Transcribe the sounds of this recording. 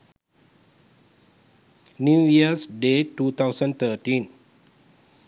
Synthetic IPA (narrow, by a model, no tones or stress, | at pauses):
njujiəsdetut̪awsə̃nt̪ətĩn